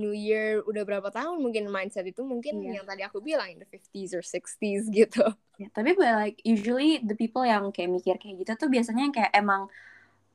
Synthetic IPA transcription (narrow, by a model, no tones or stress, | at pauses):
njujirudahbəɾapat̪aɦʊnmuŋkɪnmajnsɛt̪it̪umuŋkɪnjaŋt̪adiakubilaŋɪnd̪əfɪft̪izɔrsɪkst̪isɡit̪u | jat̪apibuɛlaɪk̚juʒəlid̪əpipəljaŋkajaʔmikɪrkajaɡit̪at̪ubias̬aɲaŋkajaʔemaŋ